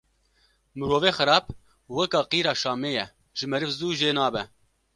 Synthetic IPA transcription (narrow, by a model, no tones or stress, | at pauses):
mɨɾoːveːxɨɾɑːb̚ | wɛkɑːqiːɾɑːʃɑːmeːjɛ | ʒ̥ɪmɛɾɨfzuːʒeːnɑːbɛ